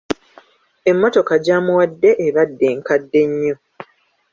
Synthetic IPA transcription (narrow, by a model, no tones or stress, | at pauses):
e̞mːo̞to̞kaɟaːmuwadːe̞ʔeβadːe̞ːŋkadːe̞ɲːo̞